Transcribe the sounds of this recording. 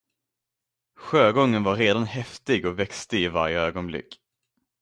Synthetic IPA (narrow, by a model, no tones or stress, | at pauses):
ɧøːɡɔŋːənvaɾːeːd̪anhɛft̪ɪɡɔvɛkst̪əɪva̰ɾjəøːɡɔnblɪ̰kː